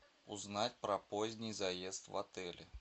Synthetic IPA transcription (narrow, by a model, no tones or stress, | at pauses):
ʊznatʲpɾɐpozʲnʲɪjzɐjest̪vɐ̰t̪ɛlʲɪ̰